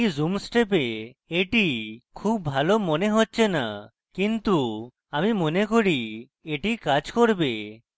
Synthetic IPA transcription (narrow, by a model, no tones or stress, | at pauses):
zumsʈep̬eeʈikʰubbʱalomoneɦotːt͡ʃʰena̰ | kint̪u | amimonekoɽi | eʈikad͡ʒkoɾbe